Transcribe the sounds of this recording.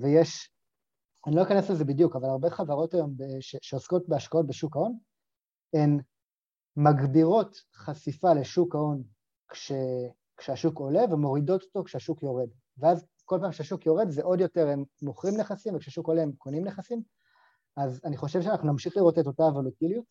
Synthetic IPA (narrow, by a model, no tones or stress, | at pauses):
vejeʃ | anilo̞nikanesleze̞bidjukavalaʁbe̞χavaʁo̞tajo̞mbeʃeʃeosko̞t̚beaʃkao̞t̚beʃukao̞n | em | maɡbiʁo̞tχasifale̞ʃukao̞n | kʃe | kʃeaʃuko̞le̞vemo̞ʁido̞t̪o̥to̞kʃeaʃukjo̞ʁe̞d | veaz | ko̞lpaːmkʃeaʃukjo̞ʁe̞dzeʔo̞djo̞te̞ʁemːoχʁimneχasimvekʃeaʃukoleemkonimneχasim | azaniχo̞ʃevʃ̬eanaχnunamʃiχliʁo̞tetotavo̞lutiljut̚